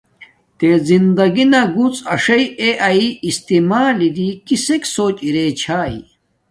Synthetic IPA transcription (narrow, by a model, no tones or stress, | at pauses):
t̪ezind̪ɐɡinɐɡut͡sɐʂɐieʔɐiist̪imaːlid̪ikiseksoːt͡ɕiɾet͡ɕʰaːḭ